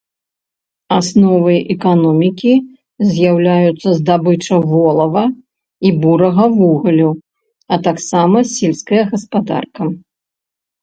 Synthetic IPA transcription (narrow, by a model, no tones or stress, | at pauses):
asnɔvɨʔɛkanɔmʲikʲi | zʲjawlʲajut̪sːɐzd̪abɨt͡ʂɐvɔlˠɐvɐ | ibuɾɐɣɐvuɣɐlʲu | ɐt̪aksamɐsʲilʲskɐjɐɣɐspad̪a̰rkɐ